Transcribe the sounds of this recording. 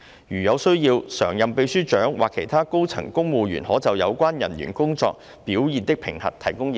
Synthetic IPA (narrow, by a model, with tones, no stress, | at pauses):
jyː˨˩jɐ˨˧wsɵ˥ɥjiː˧wsœː˨˩ŋjɐ˨mpe˧jsyː˥t͡ʃœː˨˥ŋwaː˨kʰːe˨˩jt̪ʰaː˥ko˥wt͡sʰɐ̰˨˩ŋkʊ˥ŋmuː˨˧ɥy̰ː˨˩nhɔː˨˥t͡sɐ˨wjɐ˨˧wkʷaː˥njɐ̰˨˩nɥy̰˨˩nkʊ˥ŋt͡sɔ̰ː˧k̚ | piː˨˥wjiː˨˧nt̪ɪ˥k̚pʰɪ˨˩ŋhɐ˨t̚t̪ʰɐ˨˩jkʊ˥ŋ˨